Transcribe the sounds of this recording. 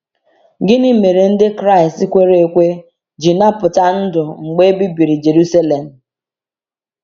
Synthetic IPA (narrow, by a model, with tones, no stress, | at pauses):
ɡɪ˦ni˦me˨ɾe˨n̩˦dɪ˦kɾa˦˨ɪ˨sti˦kʷe˦ɾe˨e˦˨kʷe˦ | d͡ʒi˨na˦pʊ˨ta˦n̩˦dʊ˨ŋ͡m̩˨ɡ͡be˦bi˦bi˨ɾi˨d͡ʒe˨ɾu˦sa˦le˨m̩˨